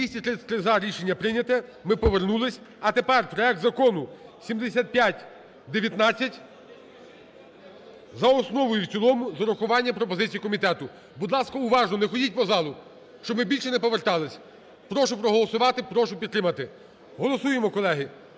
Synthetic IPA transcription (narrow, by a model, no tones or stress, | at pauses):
isʲtʲit̪ɾɪt̪ɾɪzɑɾʲiʃenʲːɐpɾɪnʲɐt̪ɛmɪpɔʋernulˠɪsʲ | ɐt̪epɛrpɾɔɛk̚t̪zɐkɔnʊsʲimd̪esʲat̪̚pʲjatʲ | d̪eʋʲjɐt̪nɑt͡sʲːɐtʲ | zɐɔsnɔʋɔjuwt͡sʲilˠɔmʊzɐɾʊxʊʋɑnʲːɐpɾɔpɔzɪt͡sʲijikɔmʲit̪ɛt̪ʊ | bud̪lˠɑskɐʊʋɑʒnɔnɛxɔdʲit̚ʲpɔzɑlˠʊ | ʃt͡ʃɔbmɪbʲilʲʃɛnɛpɔʋert̪ɑlˠɪsʲ | pɾɔʃʊpɾɔɦɔlˠɔsʊʋɑt̪ɪpɾɔʃʊpʲid̪t̪ːɾɪmɐt̪ɪ | ɦɔlˠɔsujemɔkɔlˠɛɦɪ